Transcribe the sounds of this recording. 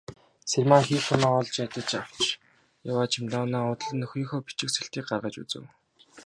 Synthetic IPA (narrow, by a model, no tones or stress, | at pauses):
sermaŋxiːxʊmaːɔɮt͡ɕat̪ə̆t͡ɕaw̥t͡ɕ | jawaːt͡ɕʰɪmt̪aːwnaːʊt̪̆ɮɘ̆nːɵxiːŋxoːpi̥t͡ɕɪ̆ksɘ̆ɬt̪iːk̚ɢarʁə̆t͡ɕṵt͡sɘ̰̆w